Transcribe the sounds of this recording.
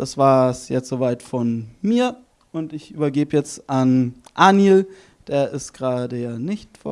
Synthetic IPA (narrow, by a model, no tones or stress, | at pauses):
d̥asv̥aːsjɛt͡stz̥oːvaɪtfɔnmiːɐ | ʔʊntɪçʔyːbɐɡeːbəjɛt͡stʔanʔaːnjel | d̥eːɐʔɪstɡ̥ʁaːdəjaːnɪçtfɔ̰